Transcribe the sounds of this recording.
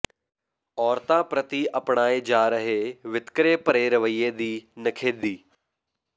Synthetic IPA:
ɔːɾt̪apɾɐt̪iɐpɳaːed͡ʒaːɾəɦeʋɪt̪kɾepəɾeɾɐʋəied̪iːnɐkʰeːd̪iː

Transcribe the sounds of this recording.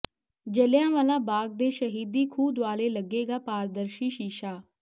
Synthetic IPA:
d͡ʒəljãːʋaːlãːbaːɡ̚d̪eːʃəɦiːd̪iːkʰuːd̪ʊaːleːləɡeːɡaːpaːɾd̪əɾʃiːʃiːʃaː

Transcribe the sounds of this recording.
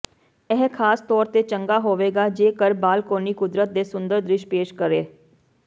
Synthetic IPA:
ɛɦkʰaːst̪ɔːɾt̪eːt͡ʃəŋɡaːɦoːʋeːɡaːd͡ʒeːkəɾbaːlkoːniːkʊd̪ɾət̪̚d̪eːsʊnd̪əɾd̪ɾɪʃpeːʃkəɾeː

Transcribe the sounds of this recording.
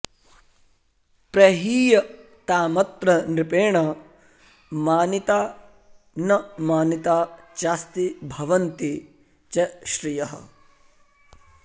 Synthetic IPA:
pɾɐɦiːjɐ | t̪aːmɐt̪ɾɐnɾipeːɳɐ | maːnit̪aː | nɐmaːnit̪aːt͡ʃaːst̪ibʱɐʋɐnt̪i | t͡ʃeʃɾijɐɦɐ̰

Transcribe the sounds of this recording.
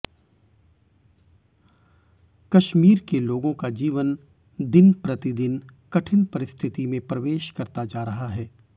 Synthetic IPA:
kɐʃmiːɾkeloːɡõkad͡ʒiːʋən | d̪ɪnpɾɐt̪ɪd̪ɪnkɐʈʰɪnpɐɾɪst̪ʰɪt̪imẽpɾɐʋeːʃkɐɾt̪ad͡ʒaːɾɐɦaɦɛː

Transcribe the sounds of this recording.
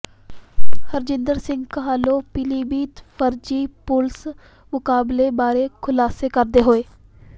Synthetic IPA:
həɾd͡ʒɪ̃nd̪əɾsɪ̃ŋɡkəɦaːloːpɪliːbiːt̪fʰəɾd͡ʒiːpʊls | mʊkaːbleːbaːɾeːkʰʊlaːseːkəɾd̪eːɦoːeː

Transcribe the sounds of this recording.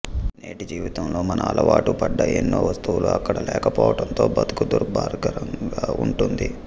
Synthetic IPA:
ne̞ːʈid͡ʒiːʋit̪ɐmlo̞ːmɐnʔɐɐlʔɐʋaːʈupɐɖːɐenːoːʋɐst̪uwuluɐkːɐɽɐlɛːkɐpɔːʋɐʈɐnt̪o̞ːbɐt̪u̥kud̪uɾbaːɾɡɐɾɐŋɡaːuɳʈund̪i

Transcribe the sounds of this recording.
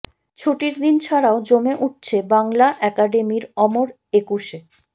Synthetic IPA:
t͡ɕʰoʈiɾd̪int͡ɕʰaɾaod͡ʑomeʔuʈ̚t͡ɕʰebaŋlaʔɛkaɖemiɾɔmoɾ | ekuʃe

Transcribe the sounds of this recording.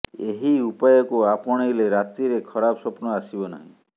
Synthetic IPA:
eɦiupajɔkuapɔɽ̃ejleɾat̪ɾiɾekʰɔɾabɔsɔpnɔasibɔna̰ɦḭ̃

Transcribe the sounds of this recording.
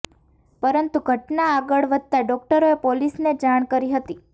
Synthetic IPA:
pəɾənt̪uɡʱəʈnaːɡəɭʋəd̪̚t̪aɖɔk̚ʈəɾoepolisned͡ʒaɽ̃kəɾiɦət̪i

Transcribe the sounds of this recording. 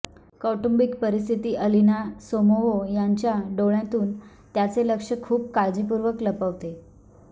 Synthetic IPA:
kɔʈumbikpəɾist̪ʰit̪iːʔəlinasomoʋojaɲt͡ɕjaɖoɭjãt̪uːn | t̪jat͡seləkʂəkʰuːp̚kad͡ʑipuɾʋəkləpəʋt̪e

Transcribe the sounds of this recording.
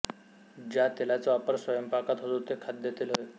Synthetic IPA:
d͡ʑjat̪elat͡saʋapəɾsʋəjəmpakat̪ɦod̪ut̪ekʰat̪̚d̪et̪ilɦoj

